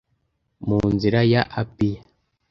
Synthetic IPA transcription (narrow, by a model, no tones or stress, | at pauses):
munziɾajaʔapija